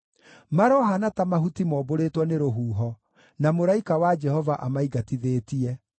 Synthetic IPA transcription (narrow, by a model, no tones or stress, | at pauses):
maɾɔɦanatamaɦutimɔːboɾetwɔneɾoɦuːɦɔ | namoɾaikawad͡ʒɛhɔvaʔamaiɡatiðeːtiɛ